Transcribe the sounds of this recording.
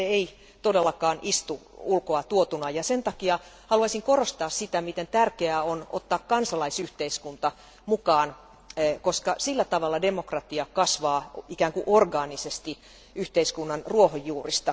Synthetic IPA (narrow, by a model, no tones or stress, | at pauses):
eei | t̪odelːɑkɑːnʔist̪uulkoɑt̪uot̪unɑjɑsent̪ɑkiɑ | hɑluɑsiŋkorost̪ɑːssit̪æmit̪ent̪ærkeæono̰t̪ːɑːkkɑnsɑlɑisyht̪eiskunt̪ɑ | mukɑːnː | koskɑsilːæt̪ɑʋɑlːɑdemokrɑt̪iɑkɑsʋɑːikæːŋkuʔorɡɑːnisest̪i | yht̪eiskunːɑnruohojːuːrist̪ɑ